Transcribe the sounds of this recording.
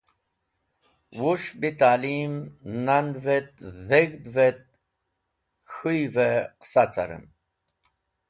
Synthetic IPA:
wuʂbit̪aːlimnand̪vet̪̚zeɡd̪vet̪̚ | xujveqsat͡sa̰ɾə̰n

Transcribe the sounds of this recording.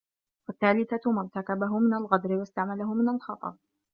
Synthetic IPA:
waθːaːlɪθamʊɾˤt̪akabaɦʊmɪnalɣad̪ɾɪwast̪aʕmalaɦʊmɪnalxɑt̪ˤɑ̰ɾˤ

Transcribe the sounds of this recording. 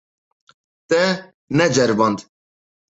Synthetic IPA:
t̪ɛ | nɛd͡ʒɛɾbɑnd̪

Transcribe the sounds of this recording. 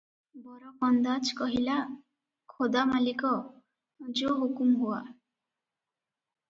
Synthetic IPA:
bɔɾɔkɔnd̪at͡ʃʰkɔɦila | kʰod̪amalikɔ | d͡ʒoɦukumɦua

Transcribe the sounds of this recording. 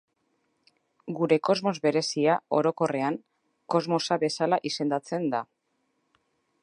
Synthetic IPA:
ɡuɾe̞ko̞zmo̞zβe̞ɾe̞siao̞ɾo̞ko̞re̞aŋ | ko̞zmo̞saβe̞salaʔise̞nd̪at͡se̞nd̪a

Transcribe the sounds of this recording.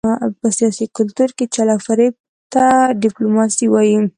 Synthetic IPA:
pəsijɑsikʊlt̪uɾket͡ʃalafaɾeb̚ | t̪aɖɪplumɑsiwɑji

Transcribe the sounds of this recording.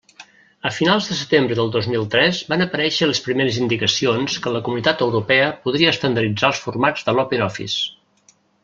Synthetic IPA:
əfinalˠzðəsət̪embɾəðəlˠd̪ozmilˠt̪ɾɛzbanəpəɾɛʃələspɾimeɾəzind̪ikəsionskələkumunit̪at̪əwɾupɛəpuð̞ɾiəːst̪ənd̪əɾid͡zaəlˠsfurmad͡zðəlɔpenɔfḭs

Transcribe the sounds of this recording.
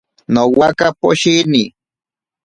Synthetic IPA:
nowakapoʃini

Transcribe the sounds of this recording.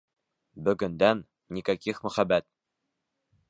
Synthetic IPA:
bɵ̆ɡɵ̆nd̪ænː | ikækiχmɵ̆χæbæt̪̚

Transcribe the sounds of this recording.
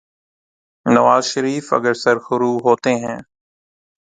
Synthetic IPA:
nɐʋaːzʃəɾiːfə̰ɡəɾsəɾxʊɾuːɦoːt̪eːɦɛ̃ː

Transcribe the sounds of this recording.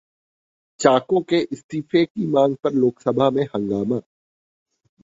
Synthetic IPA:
t͡ʃaːkõkeʔɪst̪iːfekimãːŋɡ̚pɐɾloːksɐbʱamẽhɐ̃ŋɡaːmaː

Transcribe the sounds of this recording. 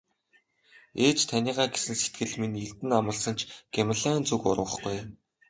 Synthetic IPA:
eːt͡ɕt̪ʰanʲiːʁaːɡesɘ̆nset̪̚ɡɘ̆ɮminiɮt̪ɘ̆namə̆ɮsə̆nt͡ɕʰɡ̥emăɮant͡sukʊ̰ɾw̆ə̆χɡuj

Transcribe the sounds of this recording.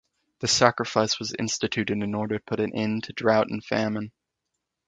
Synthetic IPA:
ðɨsækɹəfaɪswʌzɪ̰̃nstɨtʰʉɾɨ̃ɾɨ̃nɔɹɾə˞pʰʊɾɨ̃nʔɪ̃ntʰɨdɹaʊɾɨ̃n̩fæmə̃n

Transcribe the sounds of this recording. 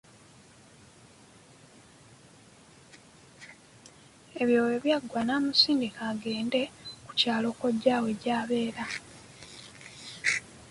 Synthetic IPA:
e̞βjo̞ːweβjaɡwanaːmusiːndikaɡe̞ːnde̞ku̥caːlo̞koɟaːwe̞ɟaːβe̞ːɾa

